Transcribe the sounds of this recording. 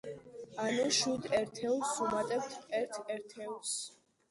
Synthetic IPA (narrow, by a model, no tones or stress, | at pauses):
anuʃud̪ɛɾt̪ʰɛusumat̪ʼɛpt̪ʰɛɾt̪ʰɛɾt̪ʰɛus